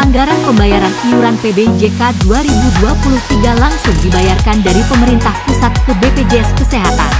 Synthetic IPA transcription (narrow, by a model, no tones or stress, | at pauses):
aŋɡaɾanpəmbajaɾaniuɾanpebeid͡ʒekaduaɾibuduapulʊht̪iɡalaŋsʊŋdibajarkandaɾipəməɾint̪ahpusat̪̚kəbeped͡ʒeɛskəseɦat̪a̰n